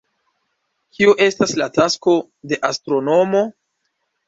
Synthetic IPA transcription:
kʰiuʔe̞staslatasko̞ | de̞ʔastɾo̞no̞mo̞

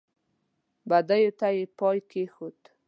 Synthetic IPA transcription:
bad̪ajut̪ajipɔjkexut̪

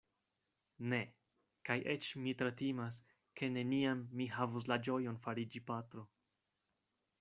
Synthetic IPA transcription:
ne̞ | kajʔet͡ʃmitɾatimas̬ | kʰe̞ne̞niamːihavus̬lad͡ʒo̞jo̞nfaɾid͡ʒipatɾo̞

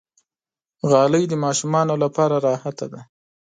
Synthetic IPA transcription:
ɣɑləjd̪əmɑʃumɑnolapɑɾaɾɑhat̪ad̪a

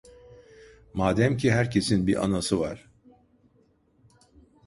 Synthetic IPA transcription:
maːd̪æmcʰiɦæɾcʰe̞sinbiʔa̰nasɯvaɾ̥

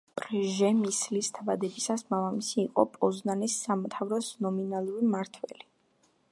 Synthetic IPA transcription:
pʼɾʒɛmislist̪ʰabad̪ɛbisasmavamisiːqʼɔpʼɔznanisːamt̪ʰavɾɔsnɔminalˠuɾimaɾt̪ʰwɛ̰li

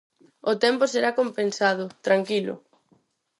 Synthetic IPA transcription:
ʊt̪ɛmpʊseɾakompensaðʊt̪ɾaŋkilʊ̰

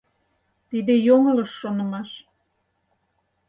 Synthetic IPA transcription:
t̪id̪ejoŋələʃːonə̆mɑʃ

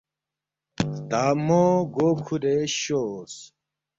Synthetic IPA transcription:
t̪aːmoɡoːkʰuɾeɕos

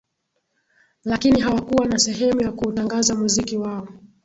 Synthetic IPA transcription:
lakiniɦawakuwanasɛɦɛmujakuːtaŋɡazamuzikiwaɔ

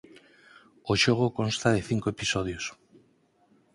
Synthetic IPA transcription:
oʃoɣ̞okonst̪að̞eθiŋkoepisoð̞jos

